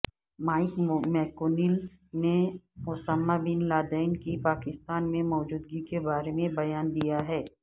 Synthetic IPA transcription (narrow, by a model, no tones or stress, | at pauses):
maːɪkmɛːkoːnɪl | neʊsamːabɪnlaːd̪əːɪnkipaːkɪst̪aːnmẽmɔːd͡ʒuːd̪̚ɡikebaːɾemẽbɐjaːnd̪ijaɦɛː